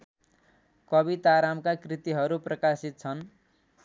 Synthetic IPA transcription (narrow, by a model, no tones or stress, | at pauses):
kʌbit̪aɾamkakrit̪iɦʌɾuprʌkasit̪̚t͡sʰʌn